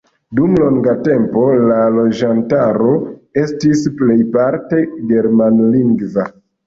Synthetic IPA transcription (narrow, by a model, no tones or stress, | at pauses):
dumlo̞ŋɡate̞mpo̞lalo̞d͡ʒantaɾo̞e̞stisple̞jpaɾte̞ɡe̞ɾmanliŋɡva